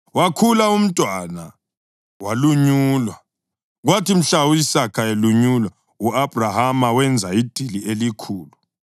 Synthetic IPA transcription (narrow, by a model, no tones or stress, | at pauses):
wakʰulaum̩tʼwana | waluɲuːlwa | ɣwatim̩ɬauisakʰaeluɲulwa | uab̥ʱrahamawɛnd͡zʱaid̥ʱilielikʰuːlu